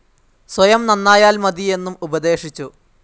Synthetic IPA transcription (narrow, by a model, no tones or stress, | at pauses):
swɐjɐmnɐnːaːjaːlmɐd̪ie̞nːumubɐd̪e̞ːʂit͡ɕːu